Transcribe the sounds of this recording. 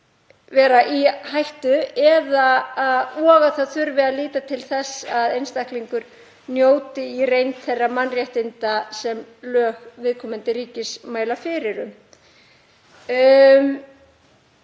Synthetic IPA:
vɛːɾaʔihajht̪ʏɛðaaðɔːɣaθaðθʏɾvɪaliːt̪at̪ʰɪlθɛsaðejnst̪ahkliŋkʏɾ̥ | njoːwt̪ɪirejnt̪θɛrːamanːrjaht̪ɪnt̪asɛmlœːɣvɪðkʰɔːmɪnt̪ɪɾiːcɪsmaːjlafɪɾɪɾʏm | m

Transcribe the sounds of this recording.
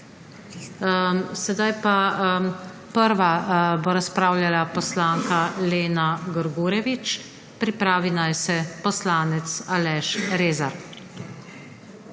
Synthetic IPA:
sɛd̪ajpa | pəɾʋaboɾaspɾaːwljalapɔslaːŋkaleːnaɡəɾɡuːɾɛʋit͡ʃ | pɾipɾaːʋinajsɛpɔslaːnɛt̪salɛʃɾeːzaɾ

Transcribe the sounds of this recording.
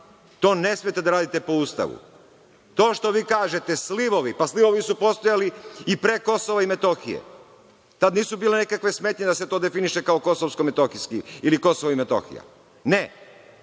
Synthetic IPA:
t̪o̞ːne̞smijet̪e̞d̪aɾaːd̪it̪e̞po̞ust̪a̰ʋṵ | t̪o̞ːʃt̪o̞ʋiːkaːʒe̞t̪e̞sliʋo̞ʋipasliʋo̞ʋisupo̞st̪ojaliipɾeko̞soʋaimet̪o̞xijḛ | t̪ad̪niːsubiːle̞nekakʋe̞smet̪ɲed̪aset̪o̞ːd̪efiniʃe̞kaoko̞soʋskomet̪oxiskiiliko̞soʋoimet̪o̞̰xḭja̰ | ne

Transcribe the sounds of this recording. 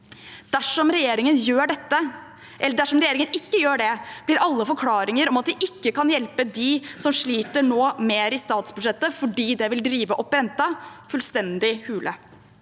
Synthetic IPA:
d̪̥æʂɔmɾɛjeːɾɪŋənjøːɖɛt̪ːə | ʔɛlːəɖæʂɔmɾɛjeːɾɪŋənɪkːəjøːɖɛb̥lɪɾɑlːəfɔɾkʰlɑːɾɪŋəɾɔmɑt̪̚d̪ɛʔɪkːəkɑnjɛlpəd̪ɪsɔmʂɭiːt̪əɳoːmeːɾɪst̪ɑːt̪sbʉd̪ʂɛt̪ːəfɔɖiːd̪ɛʋɪld̪ɾiːʋəʔɔpɾɛnt̪ːɑfʉlst̪ɛnd̪ɪhʉːlʔə

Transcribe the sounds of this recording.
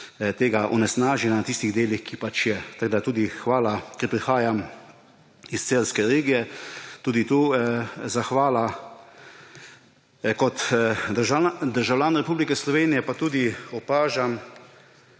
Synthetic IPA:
t̪eːɡaʔɔ̰nɛsnaːʒɛnanat̪ist̪iɣd̪eːlixkipat͡ʃjɛt̪aɡd̪at̪uːd̪ixʋaːlakɛɾpɾixaːjam | ist̪seːlskɛɾeːɡijɛt̪uːd̪it̪uːzaxʋaːla | kɔt̪əɾʒad̪əɾʒawljaːnɾɛpuːblikɛslɔʋeːnijɛpat̪uːd̪iɔpaːʒam

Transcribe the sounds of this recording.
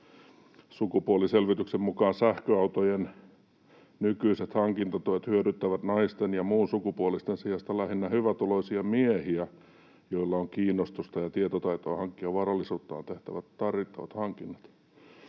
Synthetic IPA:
sukupuoliselʋit̪yksemmukɑːnsæhkøɑut̪ojen | nykyiset̪hɑŋkint̪ɑt̪uet̪hyøɾyt̪ːæʋæt̪nɑist̪enjɑmuːnsukupuolist̪ensiɑst̪ɑlæhinːæhyʋæt̪oloisiɑmiehiæ | joilːɑoŋkiːnːost̪ust̪ɑjɑt̪iet̪ot̪ɑit̪oːhɑŋkːiɑʋʋɑrɑlːisuːt̪ːɑ̰ːnt̪eht̪æʋæt̪t̪ɑrʋit̪ːɑʋɑ̰t̪hɑŋkinːɑt̪

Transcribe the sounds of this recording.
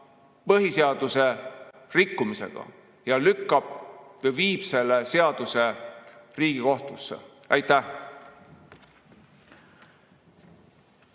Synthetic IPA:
pɤɦiseɑd̪̥use̞ | rikːumise̞̰ɡ̥ɑ̰ | jɑlykːɑb̥eviːb̥se̞lːese̞ɑd̪̥use̞riːɡ̥iko̞ht̪usːḛ | ɑjt̪ːæh

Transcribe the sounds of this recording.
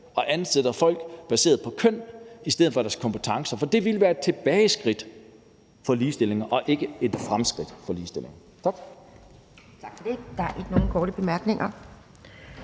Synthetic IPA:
ɒ̽ʔænˠseð̥ɐfɒ̽l̰ɡ̥b̥æse̝̰ːɐð̩ˠpʰɒ̽kʰøn̰isd̥eð̩ˠfɒ̽ɾ̥æɐskʰɒ̽mpʰət͡sʰɑ̈ŋsɐfɒ̽d̥e̝ʋiləʋæːɐed̥̚t͡sʰe̝b̥ɛːɪsɡ̥ʁid̥ | fɒ̽liːsd̥e̝l̰e̝ŋɐʔɒ̽ʔe̝ɡ̥əe̝d̥fʁamsɡ̥ʁid̥fɒ̽liːsd̥e̝le̝ŋɐ | t͡sʰɑɡ̥ | t͡sʰɑɡ̥fɒd̥ed̥ɑ̈æɐʔeɡ̥no̝ːn̩kʰɒːɾəb̥e̝mæɐɡ̥ne̝ŋɐ

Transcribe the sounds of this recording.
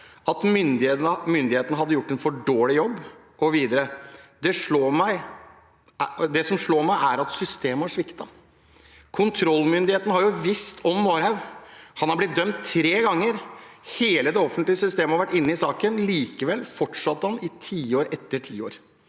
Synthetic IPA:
ɑt̪mʏnd̪ɪt̪nəmʏnd̪ɪheːt̪nəɦɑd̪ːəjʊʈːɛnfɔɖoːlɪjɔbː | ʔɔʋiːd̪əɾəd̪ɛʂɭoːmæɪ | d̪ɛsɔmʂɭoːɾmæɪʔæɾɑt̪sʏst̪eːməæʂʋɪkt̪ɑ | kʰʊnt̪ʰɾɔlːmʏnd̪ɪheːt̪ən̩hɑɾjʊʋɪst̪ʰɔmːoːɾhɑʉʋhɑnhɑɾblɪt̪̚d̪œmt̪ʰːɾeːɡɑŋːəɾheːləd̪ɛɔfənt̪lɪəsʏst̪eːməhɑɾʋæʈːɪnːəɪsɑːkənliːkəʋɛlːfɔʈʂɑt̪ːhɑnɪt̪ʰiːoːɾɛt̪ːəʈʰḭːo̰ːɾ

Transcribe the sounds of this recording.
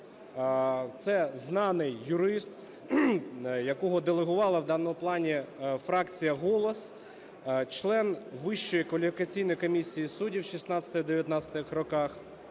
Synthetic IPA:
t̪sɛznɑnɪjːʊɾɪst̪ | jɐkɔɦɔd̪elˠeɦʊʋɑlˠɐwd̪ɑnːɔmʊplˠɑnʲifɾɑkt͡sʲijɐɦɔlˠɔs | t͡ʃlˠɛnʋɪʃt͡ʃɔjikʋɐlʲifʲikɐt͡sʲijnɔjkɔmʲisʲːijisudʲiwʃisnɑt͡sʲɐt̪ɐd̪eʋʲjɐt̪nɑt͡ssʲɐ̥t̪ɪxrɔkɑx

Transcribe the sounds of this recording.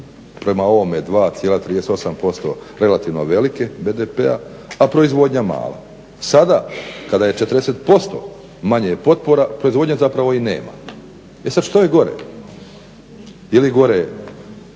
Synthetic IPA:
pɾe̞mao̞ʋomeed̪ʋaːt̪sjelat̪ɾid̪eseo̞sampo̞st̪o̰ɾe̞lat̪iʋnoʋe̞like̞beːd̪epea̰ | apɾo̞izʋo̞ːd̪ɲama̰ːla̰ | sad̪aːkad̪ajet͡ʃet̪ɾd̪eset̪po̞st̪o̰ː | maɲejepo̞t̪̚po̞ɾapɾo̞izʋod̪ɲazapɾaʋo̞inḛːma̰ | esad̪ʃt̪ojeɡo̞ɾḛ | iliɡo̞ɾe

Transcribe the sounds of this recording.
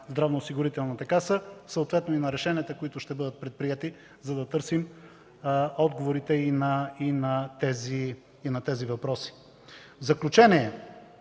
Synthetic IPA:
zd̪ɾavnoːsiɡʊɾit̪ɛlˠnɐt̪ɐkasəsəoːt̪vɛt̪noinɐɾɛʃɛniət̪əkoit̪ʊʃt̪ɛbɤd̪ət̪̚pɾɛt̪̚pɾijɛt̪i | zɐd̪ɐt̪ɤɾsim | ɔd̪ɡovoɾit̪ɛinɐinɐt̪ɛziː | nɐt̪ɛzivɐpɾɔsi̥ | vzɐklʲut͡ʃɛniɛ

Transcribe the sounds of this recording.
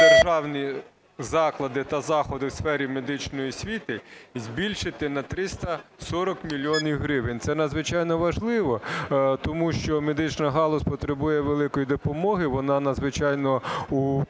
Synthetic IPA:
d̪erʒɑwnʲi | zɑklˠɐd̪ɪt̪ɐzɑxɔd̪ɪwsfɛɾʲimed̪ɪt͡ʃnɔjisʲʋʲit̪ɪzʲbʲilʲʃɪt̪ɪnɐt̪ɾɪst̪ɐsɔɾɔkmʲilʲːiɔnʲiwɦɾɪʋɪnʲt̪sɛnɐd̪zʋɪt͡ʃɑjnɔʋɐʒlˠɪʋɔt̪ɔmuʃt͡ʃɔmed̪ɪt͡ʃnɐɦɑlˠɔspɔt̪ɾebujɛʋelˠɪkɔjid̪ɔpɔmɔɦɪʋɔnɑnɐd̪zʋɪt͡ʃɑjnɔu

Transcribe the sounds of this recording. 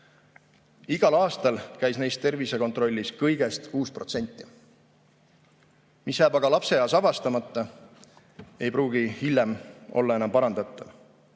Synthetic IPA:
iɡ̥ɑlɑːst̪ɑlkæjsne̞jst̪ːe̞rvise̞ko̞nt̪ˑro̞lʲːiskɤjɡ̥e̞st̪kuːspro̞̰t̪se̞nʲt̪ˑːi̥ | misjæːbɑɡ̥ɑlɑpse̞jɑːsɑvɑst̪ɑmɑt̪ˑːɑ | e̞jpruːɡihilʲːjemo̞̰lːɑe̞nɑmpɑɾɑnd̪ɑt̪ːˑɑv

